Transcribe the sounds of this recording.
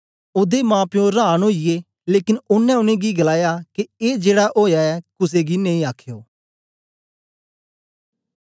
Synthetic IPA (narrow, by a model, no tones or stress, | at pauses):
ʊd̪emãːpɪjõɾaːnoːijeː | leːkɪnʊnːɛ̃ʊnẽːɡiɡəlaːjakieːd͡ʒeːɽaʔoːjaːɛːkʊs̬eːɡinẽĩːaːkʰjoː